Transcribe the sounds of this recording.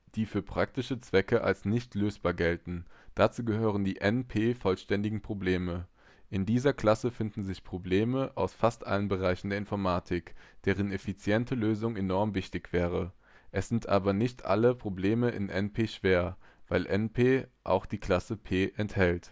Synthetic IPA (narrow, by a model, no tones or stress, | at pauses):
d̥iːfyːɐpʁ̥ak̚tɪʃət͡sv̥ɛkəʔa̰lsnɪçtʰløːsb̥aːɐɡɛltn̩d̥at͡suːɡəɦøːʁ̞əndiːʔɛnpʰeːfɔlʃtɛndɪɡŋ̩pʁ̥obleːmə | ʔɪndiːzɐkl̥asəfɪndn̩zɪçpʁ̥obleːməʔaʊsfastʔa̰lənbəʁ̞aɪçn̩deːɐɪnfɔɐmaːtʰɪkd̥eːʁənefit͡sjɛntʰəløːzʊŋenɔɐmvɪçtɪçv̥ɛːʁ̞ə | ʔɛsz̥ɪntʔa̰ːbɐnɪçtʔa̰ləpʁ̥obleːməʔɪ̰nʔɛnpʰeːʃv̥eːɐv̥aɪlʔɛnpʰeːʔa̰ʊxd̥iːkl̥asəpʰeːʔɛnthɛlt